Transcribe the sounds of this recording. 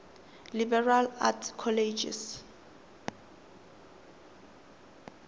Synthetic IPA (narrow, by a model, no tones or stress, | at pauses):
libɛrala̰tʰkʰɔled͡ʒḭs